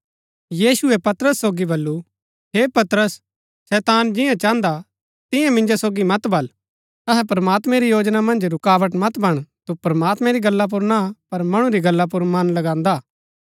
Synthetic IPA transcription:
jiːsʊɛpɐt̪ɾəsːoːɡibɐlːu | ɦeːpɐt̪ɾəsː | ɛːt̪aːnd͡ʒɪ̃jãt͡ʃãːnd̪a | t̪ɪ̃jãmɪ̃nd͡ʒasoːɡimɐt̪bʱɐl | ɐɦɛpɾɐmaːt̪mɛ̃ɾijoːd͡ʒnamɐ̃nd͡ʒɾʊkaːʋəʈmɐt̪bɐɽ̃t̪upɾɐmaːt̪mɛ̃ɾiɡɐlːap̬uɾnapɐɾmɐɽ̃ũɾiɡɐlːap̬uɾmɐnlɐɡãːnd̪aː

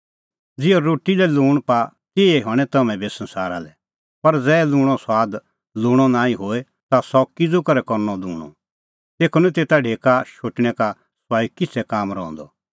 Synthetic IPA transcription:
d͡zɪoɾoːʈːilɛluːɽ̃pa | t̪ɪɛɦɔːɽ̃ɛt̪ɐmɛ̃besə̃nsaːɾa̰lɛ | pɐɾd͡zɛːlũːɽ̃ɔsaːd̪ | luːɽ̃ɔnãːĩɦoːe | t̪asɔkɪd͡zukɐɾɛkɔɾnɔd̪uːɽ̃ɔ̰ | t̪eːkʰənũt̪eːt̪aɖʱeːkaʃoːʈɽ̃ɛka | swaːikɪt͡sʰɛkaːmɾɔ̰̃ːnd̪ɔ

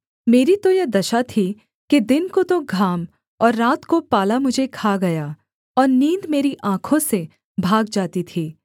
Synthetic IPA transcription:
meːɾit̪ojɐd̪ɐʃat̪ʰi | ked̪ɪnkot̪oɡʱaːm | ɔːɾːaːt̪kopaːlamʊd͡ʒʱekʰaːɡɐjaː | ɔːɾnĩːd̪meːɾiʔãːkʰõse | bʱaːɡd͡ʒaːt̪it̪ʰiː

